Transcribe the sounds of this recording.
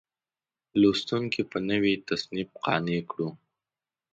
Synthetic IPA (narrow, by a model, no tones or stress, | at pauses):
lost̪uŋkʰipənəwit̪asnɪb̚qɑ̰nekɽu